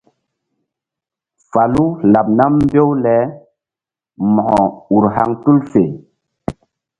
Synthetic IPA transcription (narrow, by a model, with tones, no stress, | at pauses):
fa˨lu˦la˨p̚na˦mː˦be˦wlɛ˨˦ | mɔ˨hɔ˨u˨ɾɦa˦ŋtu˦lfe˨